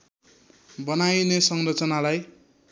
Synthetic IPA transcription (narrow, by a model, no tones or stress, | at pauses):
bʌnajnesʌŋrʌt͡sʌnalaj